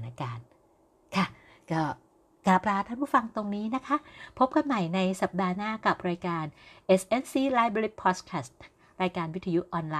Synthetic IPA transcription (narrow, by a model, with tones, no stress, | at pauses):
naː˧kaː˧n | kʰa˧˥˩ | kɔː˥˩ | kaː˨˩plaː˧t̪ʰaː˥˩npʰuː˥˩fa˧ŋt̪o˧ŋniː˦˥na˦˥kʰa˦˥ʔpʰo˦˥p̚ka˧nma˨˩jna˧jsa˨˩p̚daː˧naː˥˩ka˨˩p̚ɾaː˧jkaː˧nʔe˧˩sʔe˧nsiː˧˩laː˧˥jbɾe˧ɾi˦˥pʰːɔː˦˥t̪̚kʰaː˧˩st̪̚ | ɾaː˧jkaː˧nwi˦˥t̪ʰa˧ju˦˥ʔʔɔː˧nlaː˧